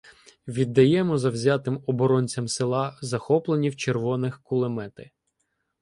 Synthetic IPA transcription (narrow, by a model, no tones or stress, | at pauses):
ʋʲid̪ːɐjɛmɔzɐwzʲɑt̪ɪmɔbɔɾɔnʲt͡sʲɐmsɪlˠɑzɐxɔplˠenʲiwt͡ʃerʋɔnɪxkʊlˠemɛt̪ɪ